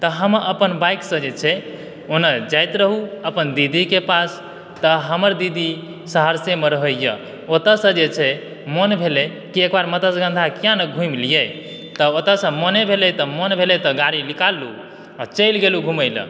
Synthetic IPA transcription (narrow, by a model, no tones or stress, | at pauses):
t̪əɦəməpənbajksə̃d͡ʒet͡ʃʰɛ | onəd͡ʒajt̪ɾəɦuəpənd̪id̪ikepas | t̪əɦəməɾd̪id̪i | səɦəɾsemeɾəɦəjə̰ | ot̪əsə̃d͡ʒet͡ʃʰɛ | mənbʱele | kiekbaɾmət̪əsɡə̃nd̪ʱakijãnəɡʱũmlije | t̪əot̪əsə̃mənebʱelɛt̪əmənbʱelet̪əɡaɾilikalːu | t͡ʃəɪlɡeluɡʱuməjlə̰̃